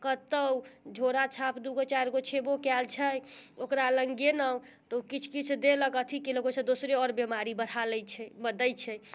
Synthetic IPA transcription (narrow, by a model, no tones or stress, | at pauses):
kət̪əwd͡ʒʱoɾat͡ʃʰapʰd̪uɡot͡ʃajɾɡot͡ʃʰebokɛlt͡ʃʰəjokɾaləŋɡenəw | t̪ɔukit͡ʃʰkit͡ʃʰd̪eləkət̪ʰikiləɡosʰẽd̪osɾeɔɾbemaɾibəɽ̤aləjt͡ʃʰɛbəd̪əjt͡ʃʰɛ